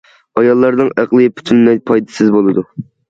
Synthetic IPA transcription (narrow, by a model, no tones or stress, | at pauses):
ɑjɑlˠːɑɾd̪ɨŋæqlˠɨpʰy̥t̪ʰynlɛjpʰɑjd̪ɨ̥sɪzbolˠɨd̪u